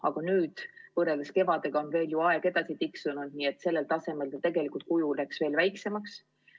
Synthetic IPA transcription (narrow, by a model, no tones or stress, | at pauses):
ɑɡ̥ɑnyːd̪̥vɤreld̪eske̞vɑd̪̥e̞ɡ̥ɑo̞nve̞ːljuɑe̞ɡ̥e̞d̪̥ɑsit̪iksunud̪̚niːet̪ːse̞lːe̞lt̪ɑse̞me̞ld̪ɑt̪e̞ɡe̞likˑult̪̚kujulæksve̞ːlvæjkse̞mɑks